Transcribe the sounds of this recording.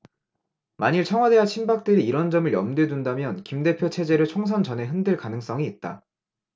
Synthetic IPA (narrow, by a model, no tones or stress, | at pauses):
maɲiɭt͡ɕʰʌŋwade̞ɦat͡ɕʰinbak̚t͈ɯɾiːɾʌnd͡ʑʌmɯɭjʌ̰mdwe̞dundamjʌnkimde̞pʰjot͡ɕʰe̞d͡ʑe̞ɾɯɭt͡ɕʰoŋs̬ʰand͡ʑʌne̞ɦɯndɯɭkanɯŋs͈ʌŋiːt̚t͈a̰